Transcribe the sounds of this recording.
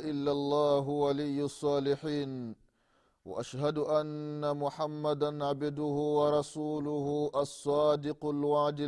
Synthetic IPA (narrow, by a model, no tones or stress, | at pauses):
ʔɪlːalˤːɑːɦwalɪjːʊsˤːɑːlɪħiːn | wa̰ʔaʃhad̪ʔanːamʊħamːad̪anʕabd̪ʊhʊwɑɾˤɑsuːlʊhʊʔɑsˤːɑːd̪ɪqʊlwaʕd̪ɪ